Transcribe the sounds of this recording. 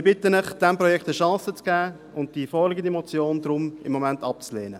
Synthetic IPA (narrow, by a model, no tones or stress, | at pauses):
b̥ɪt̪ənɪχd̥ɛmpɾɔjɛkt̪əʃɑ̃ːsət͡sɡ̥æː | ʊnt̚d̥ifɔlɪɡənd̪imɔt͡sjoːnd̪ɾʊmɪmːɔmɛntɑp̚t͡sleːnə